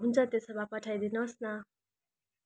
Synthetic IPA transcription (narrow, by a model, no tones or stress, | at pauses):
ɦunt͡sʰʌt̪esʌbapʌʈʰajd̪inʌsna